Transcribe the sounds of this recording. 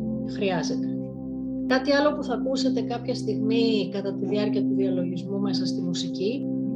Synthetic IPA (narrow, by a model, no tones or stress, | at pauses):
xɾiɐze̞t̪e̞ | kɐt̪iɐlo̞puθɐkuse̞t̪e̞kɐpçɐst̪iɣmikɐt̪ɐt̪iðiɐɾciɐt̪uðiɐlo̞ʝizmume̞sɐst̪imusici